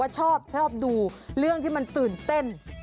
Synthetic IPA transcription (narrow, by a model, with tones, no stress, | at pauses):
a˥˩t͡ɕʰɔː˥˩p̚t͡ɕʰɔː˥˩p̚duː˧ɾɯ˥˩əŋt̪ʰiː˥˩ma˧nt̪ɯː˨˩nt̪e˥˩n